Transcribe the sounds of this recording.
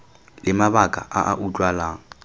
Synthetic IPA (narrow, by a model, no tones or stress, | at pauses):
lɪmaβakʼa̰ʔaʔaʔut͡ɬʼwalaːŋ̩